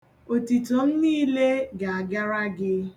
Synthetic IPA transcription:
o˨ti˨to˨m̩˦niː˦le˦ɡa˨a˨ɡa˦ɾa˦ɡɪ˦

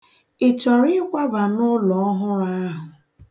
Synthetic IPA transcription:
ɪ˨t͡ʃɔ˨ɾɪ˦kʷa˦ba˨nʊ˦lɔ˨ɔ˦ɦʊ˦ɾa˦ɦʊ˨

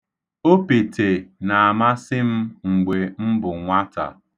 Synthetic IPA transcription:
o˦pe˨te˨na˨a˨ma˦sɪ˦m̩˦ŋ͡m̩˨ɡ͡be˨m̩˦bʊ˨ŋʷa˦ta̰˨

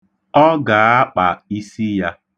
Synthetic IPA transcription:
ɔ˦ɡa˨a˦k͡pa˨i˦si˦ja˦

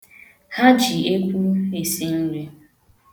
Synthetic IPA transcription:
ha˦t͡ʃi˨e˦kʷu˦e˨si˦n̩˦ɾe˦

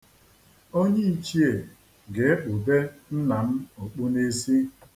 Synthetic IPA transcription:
o˦ɲe˦i˨t͡ʃi˦e˨ | ɡe˨e˦k͡pʊ˨be˦n̩˦na˨m̩˦o˨k͡pu˦ne˦si˦

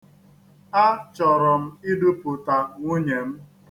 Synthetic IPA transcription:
a˦t͡ʃɔ˨ɾɔ˨m̩˦i˦du˦pʊ˨ta˨ŋʷu˦ɲe˨m̩˦

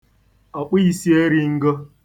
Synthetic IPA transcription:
a˨k͡pʷi˦ji˨si˦e˦ɾi˦ŋ̩˦ɡo˦

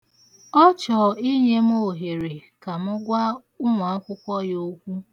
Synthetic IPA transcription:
ɔ˦t͡ʃɔ˨i˦ɲe˦m̩˦o˦˨ɦe˨ɾe˨ka˨mʊ˦ɡʷa˦ | ʊ˦ŋʷa˨a˦kʷʊ˦kʷɔ˦jo˦kʷu˦

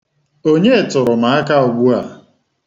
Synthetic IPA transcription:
o˦ɲe˦˨tʊ˨ɾʊ˨ma˨a˦ka˦ʊ˨ɡʷu˦a˨

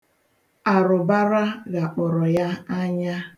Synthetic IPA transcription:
a˨ɾʊ˨ba˦ɾa˦ɣa˨k͡pʊ˨ɾɔ˨ja˦a˦ɲa˦

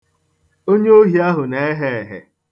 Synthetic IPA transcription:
o˦ɲe˦o˦ɦi˨a˦ɦʊ˨ne˨˦e˦ɦe˦˨ɦḛ˨

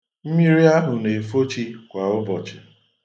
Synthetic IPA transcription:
m̩˦mi˦ɾi˦a˦ɦʊ˨ne˨fo˦t͡ʃi˦kʷa˨ʊ˦bɔ˨t͡ʃɪ˨

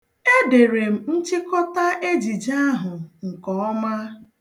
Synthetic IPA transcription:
e˦de˨ɾe˨m̩˦n̩˦t͡ʃɪ˦kɔ˦ta˦ʔe˦d͡ʒi˨d͡ʒa˦ɦʊ˨ŋ̩˨kɔ˨˦ɔ˦ma˦

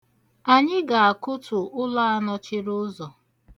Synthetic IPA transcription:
a˨ɲɪ˦ɡa˨a˨kʊ˦tʊ˨ʔʊ˦la˦a˦nɔ˦t͡ʃɪ˦ɾʊ˦zɔ˨

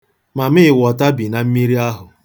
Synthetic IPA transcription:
ma˨mɪ˦ɪ˨wɔ˨ta˦bi˨na˨m̩˦mi˦ɾi˦a˦ɦʊ˨

